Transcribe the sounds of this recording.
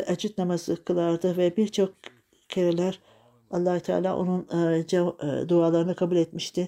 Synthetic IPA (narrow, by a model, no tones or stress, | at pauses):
ʔad͡ʒyt̪̚namazɯkʰɯlˠaɾd̪ɯvɛbiɾt͡ʃʰo̞k̚ | cʰeɾilʲæɾ | alˠːaːhut̪ʰa̰ːlʲa̰ːʔo̰nund͡ʒad̪uaːlˠaɾɯnɯkʰabulʲɛt̪miʃt̪ʰɪ